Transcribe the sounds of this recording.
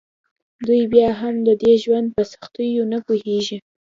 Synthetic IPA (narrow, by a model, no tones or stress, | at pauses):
d̪ujbjɑɦamd̪əd̪eʒwand̪̚pəsḁxt̪əjonapoheʒi